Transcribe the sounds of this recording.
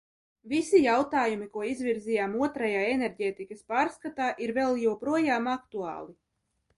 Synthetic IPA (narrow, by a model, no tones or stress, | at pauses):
visijawt̪aːjumikuɔizvʲiɾzijaːmuɔt̪ɾajaːeneɾɟeːt̪ikaspaːɾskat̪aːʔiɾvɛlˠjuwpɾuɔjaːmakt̪ua̰ːlˠi